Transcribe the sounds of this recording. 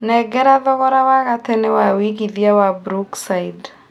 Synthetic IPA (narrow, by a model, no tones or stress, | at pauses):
nɛɡɛɾaðɔɣɔɾawaɣatenewawiɣiðiawabɾuksaid